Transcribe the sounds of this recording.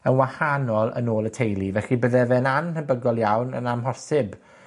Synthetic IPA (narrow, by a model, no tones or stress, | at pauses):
ənwahanɔlˠə̰noːlˠətʰejlˠivɛɬibəðɛvɛnamhəbəɡɔlˠjawnə̰namɦɔrsɪb